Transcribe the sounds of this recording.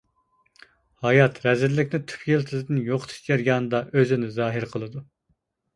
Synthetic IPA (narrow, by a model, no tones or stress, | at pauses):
hɑjɑt̪ɾɛzɪɾlːɪkʲnɪt̪ʰy̥pʰjilˠt̪ʰɪzɪd̪ɨnjoqʰt̪ʰu̥ʃjɛɾɡʲɑːnɨd̪ɑʔøzɪnɪzɑːɦɨɾqʰəlˠɨd̪u